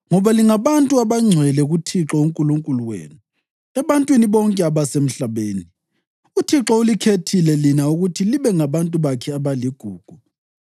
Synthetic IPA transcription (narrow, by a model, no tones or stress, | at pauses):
ŋɔβaliŋaβantʼuaβaŋ͡ǀʱwɛlɛɣutʰiǁɔuŋkʼuluŋkʼuluwḛːnu | ɛβantʼwiniβɔŋkʼɛaβasem̩ɬaβeːni | utʰiǁɔulikʰetʰilɛlinauɣutʰiliβɛŋaβantʼuβakʰɛaβaliɡ̥ʱuːɡ̥ʱu